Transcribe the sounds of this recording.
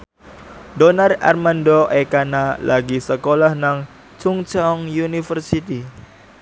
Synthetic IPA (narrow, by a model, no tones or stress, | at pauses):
dɔnara̰rmandoʔekanalaɡisəkolahnaŋ | t͡ʃuŋt͡ʃɔŋjunifərsit̪i